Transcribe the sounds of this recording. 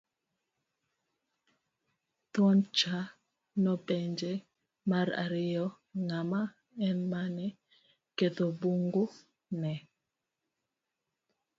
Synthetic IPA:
t̪wɔnt͡ʃa | nɔpɛɲd͡ʒɛ | maɾa̰ɾɪjɔ | ŋama | ɛnmanɛ | ket̪obuŋɡo | nɛ

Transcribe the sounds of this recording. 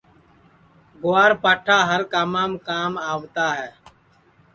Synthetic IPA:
ɡʊaːɾpaːʈʰaːɦəɾkaːmaːmkaːmaːʋt̪aːɦɛː

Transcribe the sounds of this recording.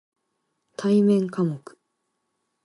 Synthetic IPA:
t̪ʰaimẽ̞ŋkamokɯ̥

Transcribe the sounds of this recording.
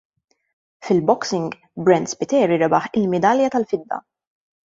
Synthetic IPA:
fɪlbɔksɪŋɡ | bɾɛnd̪spɪt̪ɛːɾiɾɛbɐħɪlmɛd̪ɐljɐt̪ɐlfɪd̪ːɐ̰

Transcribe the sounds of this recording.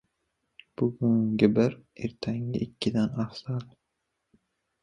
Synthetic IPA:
b̥ʊɡʊŋɡʲɪbɪɾeɾt̪ʰaŋlɪ̰ʔɪkʲːɪd̪anɑfsɑlˠ

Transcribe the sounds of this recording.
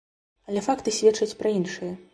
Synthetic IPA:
ɐlʲɛfakt̪ɨsʲvʲɛt͡ʂɐt͡sʲpɾɐinʂɨjɐ

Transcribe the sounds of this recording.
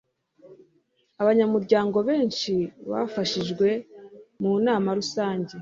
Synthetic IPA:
aβaɲamuɾɟaːŋɡo̞βe̞ːnʃiβa̰faʃiʒɡwe̞munaːmaɾusaːɲɟe̞

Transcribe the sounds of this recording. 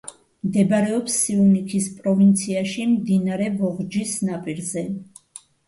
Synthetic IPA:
md̪ɛbaɾɛɔpsːiunikʰispʼɾɔvint̪sʰiaʃimd̪inaɾɛvɔʁd͡ʒisnapʼiɾzɛ

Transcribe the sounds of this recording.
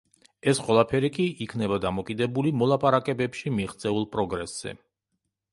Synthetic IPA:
ɛsχʼwɛlˠapʰɛɾikʼiikʰnɛbad̪amɔkʼid̪ɛbulimɔlˠapʼaɾakʼɛbɛpʃimiʁt̪sʼɛulˠpʼɾɔɡɾɛsz̥ɛ̰

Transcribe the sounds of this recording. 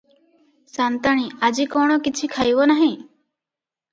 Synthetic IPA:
sant̪aɽ̃ĩad͡ʒikɔɽ̃ɔkit͡ʃʰikʰajbɔnaɦĩ

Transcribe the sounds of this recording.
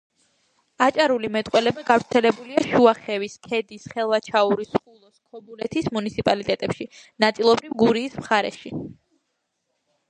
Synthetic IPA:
at͡ʃʼaɾulimɛt̪ʼqʼwɛlɛbaɡavɾt̪sʰɛlɛbuliaʃuaχɛviskʰɛd̪isχɛlˠvat͡ʃʰauɾisχulˠɔskʰɔbulɛt̪ʰismunit̪sʰipʼalit̪ʼɛt̪ʼɛpʃinat̪sʼilˠɔbɾivɡuɾiːsmχaɾɛ̰ʃi

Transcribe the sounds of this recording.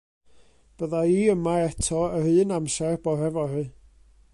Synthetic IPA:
b̥əðaiːəmaɛtʰɔəhɨːnamsɛrbɔɦɛvɔhɨ

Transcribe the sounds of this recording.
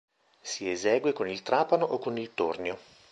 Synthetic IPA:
siezɛːɡwekonilt̪ɾaːpanoʔokːonilt̪o̰rnjo

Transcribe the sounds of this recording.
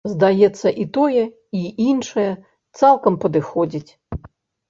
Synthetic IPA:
zd̪ajɛt̪sːɐʔit̪ɔjɛ | iinʂɐjɛ | t̪salˠkɐmpɐd̪ɨxɔd͡zʲit͡sʲ

